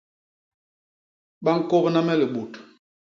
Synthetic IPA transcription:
ɓa˦ŋ̩˦ko˦bna˦mɛ˦lə˨ɓo˨t

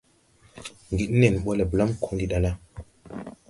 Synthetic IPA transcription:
ŋɡi˨ɗne˨n˨ɓo˦le˨bla˦mkʰõ˦nli˦ɗa˨na˦

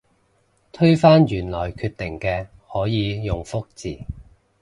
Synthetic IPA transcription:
t̪ʰɵ˥ɥfaː˥njyː˨˩nlɔː˨˩jkʰyː˧t̪ɪ˨˩ŋkɛː˧ | hɔː˨˥jiː˨˧jʊ˨ŋfʊ˥k̚t͡siː˨˩

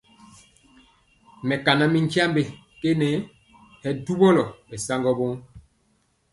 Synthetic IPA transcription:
mɛ˨ka˨na˦mi˦ŋka˦mbe˨ | ke˦nɛ˨˦ | hɛ˨du˦bɔ˦lɔ˨bɛ˨sa˦ŋɡɔ˦bo˦ŋ˦

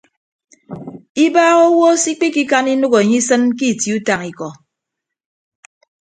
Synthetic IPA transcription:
i˦baː˦ɣo˦wo˦si˦k͡pi˦ki˦ka˦ni˦nu˦ɣo˨e˨ɲi˦sɨ˦nki˦˨ti˨u˦ta˨ŋi˨kɔ˨

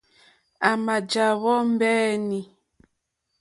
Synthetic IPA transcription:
a˨ma˨d͡ʒa˨βɔ˦m˦bɛː˦ni˨

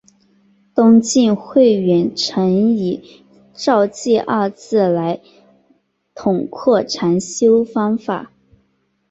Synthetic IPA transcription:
t̪ʊ˥ŋt͡ɕi˥˧nxwe˥˩ɪɥɛ˧˥nʈ͡ʂʰɤ˧˥ŋi˨˩˦ | ʈ͡ʂɑ˥˧ʊt͡ɕi˥˧ʔɐ˥˧t͡sʰɹ̩˥˩la˧˥ɪ | t̪ʰʊ˨˩ŋkʰɔ˥˩ʈ͡ʂʰa˧˥nɕjo˥ʊfɑ˥ŋfa̰˨˩˦

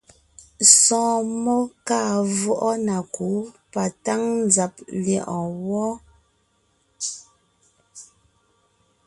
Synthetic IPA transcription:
sɔ̃ː˨mɔ˦kaː˦˨vɔ˦ʔɔ˦na˨ku˨˦pa˨ta˦ŋn˦d͡za˨p̚ljɛ˨ʔɔ˨wɔ˦

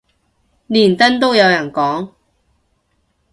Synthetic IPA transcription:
liː˨˩nt̪ɐ˥nt̪o˥wjɐ˨˧wjɐ˨˩nkɔː˨˥ŋ

